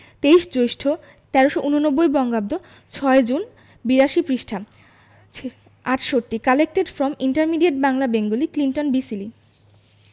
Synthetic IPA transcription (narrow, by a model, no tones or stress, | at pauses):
t̪eiʃd͡ʑojʃʈʰo | t̪ɛɾoʃoʔunonobːojbɔŋɡab̚d̪o | t͡ɕʰɔed͡ʑun | biɾaʃipɾiʃʈʰam | aʈʃoʈːikalek̚ʈeɖfɾɔmiɳʈaɾmiɖieʈ̚baŋlabeŋɡoliklinʈonbisili